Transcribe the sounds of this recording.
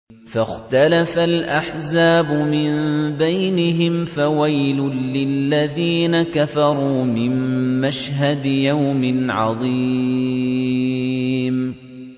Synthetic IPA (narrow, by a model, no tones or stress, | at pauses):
faxt̪alafalʔaħzaːbʊmɪnbajnɪɦɪmfawajlʊːɪlːaðiːnakafɑɾˤuːmɪmːaʃɦad̪jawmɪnʕɑ̰ðˤi | m